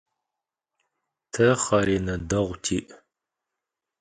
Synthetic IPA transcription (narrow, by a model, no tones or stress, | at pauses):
tʰɐχɐɾeːnɐdɐʁʷtʰiːʔ